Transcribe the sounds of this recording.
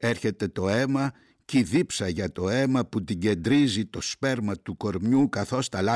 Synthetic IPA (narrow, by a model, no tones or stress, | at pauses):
e̞ɾçe̞t̪e̞t̪o̞e̞mɐ | ciðipsɐʝɐt̪o̞e̞mɐput̪iɟe̞nd̪ɾizit̪o̞spe̞ɾmɐt̪uko̞ɾmɲukɐθo̞st̪ɐlɐ